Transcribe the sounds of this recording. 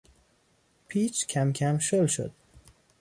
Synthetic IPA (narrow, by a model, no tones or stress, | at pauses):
pʰiːt͡ʃʰcʰæmcʲʰæmʃolʃo̰d̪̥̚